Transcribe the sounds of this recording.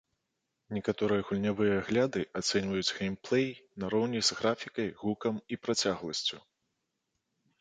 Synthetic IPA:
nʲɛkat̪ɔɾɨjɐɣulʲnʲavɨjɐːɣlʲad̪ɨʔat̪sɛnʲvɐjud͡zʲɣejmplˠɛjnɐɾɔwnʲiz̥ɣɾafʲikɐjɣukɐmipɾat͡sʲaɣlˠɐsʲt͡sʲu

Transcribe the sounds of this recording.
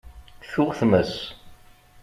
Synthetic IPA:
θʊʁθməs

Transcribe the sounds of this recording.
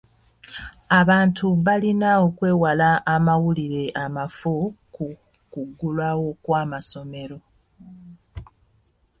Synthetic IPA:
aβaːntʰuβalinao̞kwe̞ːwalaʔːmawuliɾe̞ʔamafuku | kuɡːulwawo̞kwaːmaso̞me̞ɾo̞

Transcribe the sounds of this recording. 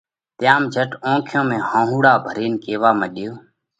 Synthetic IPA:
t̪ɪjaːmd͡ʒʱəʈõːkʰjõːmẽːhãːɦũːɽaːbʱəɾiːnkeːʋaːməɗɪjoː

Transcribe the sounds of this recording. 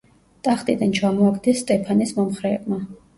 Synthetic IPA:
t̪ʼaχt̪ʼid̪ant͡ʃʰamɔakʰd̪ɛsːt̪ʼɛpʰanismɔmχɾɛːbma

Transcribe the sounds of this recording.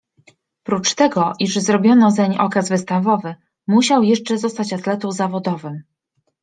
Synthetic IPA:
pɾut͡ʂt̪ɛɡɔʔiʂzɾɔbʲjɔnɔzɛɲʔɔ̰kazvɘst̪avɔvɘ | muɕawjɛʂt͡ʂɛzɔst̪at͡ɕat̪lɛt̪ɔwzavɔd̪ɔvɘm

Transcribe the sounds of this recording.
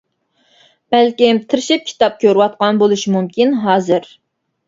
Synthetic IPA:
b̥ælkʲimt̪ʰɨɾɪʃip̚kʲʰi̥t̪ɑp̚kʲʰøɾɨwɑt̪̚qɑnbolˠuʃimumkʲinɦɑːzɨɾ

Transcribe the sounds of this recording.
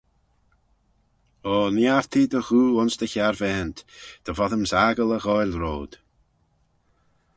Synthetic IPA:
ɔːnjaɾt̪ʰiːd̪əɣuːʊnsd̪əçaɾvɛːnt̪d̪̥əvɔðəmsaɡələɣɔjlɾoːd̪̥

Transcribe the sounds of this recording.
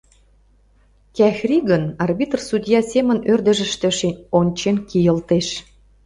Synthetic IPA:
kæxrʲiɣənɑrbit̪rsud̪ʲjɑsʲemənørd̪ə̆ʒə̆ʃt̪ə̆ʃenʲonʲt͡ɕenkijə̆lt̪eʃ

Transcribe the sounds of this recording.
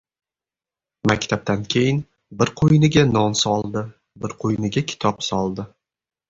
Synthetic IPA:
makʲt̪ʰab̚t̪ankʲʰe̞jɪn | bɪɾqʰojnɪɡʲanɒnsɒlˠd̪ɪ | bɪɾqʰojnɪɡʲakʲʰɪ̥t̪ʰɒpsɒlˠd̪ɪ

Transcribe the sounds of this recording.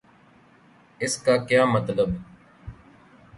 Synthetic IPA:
ɪskaːkjaːmət̪ləb

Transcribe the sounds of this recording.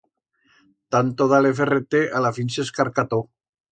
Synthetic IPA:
t̪ant̪oðaleferet̪eʔalafinseskaɾkat̪o

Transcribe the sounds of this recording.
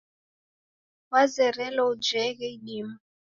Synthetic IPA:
wazɛɾɛlɔud͡ʒɛɣɛiɗima

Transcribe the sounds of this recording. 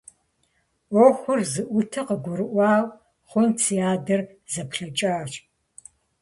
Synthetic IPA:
ɔxʷʊrzɨʔʷʊtʰɐqəɡʷʊɾɨʔʷɑːw | χʷɔnt͡sʰijaːdɐr | zɐpʰɬɐt͡ʃʼɐːɕʼ

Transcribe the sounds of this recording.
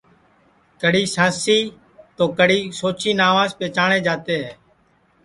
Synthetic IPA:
kəɽiːsãːsiː | t̪oːkəɽiːsoːt͡ʃiːnaːʋãːspeːt͡ʃaːɳẽːd͡ʒaːt̪eːɦɛː

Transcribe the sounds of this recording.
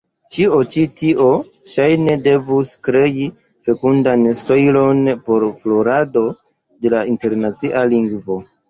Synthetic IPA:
t͡ʃio̞t͡ʃitiʔo̞ | ʃajne̞de̞vuskɾe̞i | fe̞kundansto̞jlo̞npo̞ɾflo̞ɾado̞ | de̞lainte̞ɾnat͡siʔaliŋɡvo̞

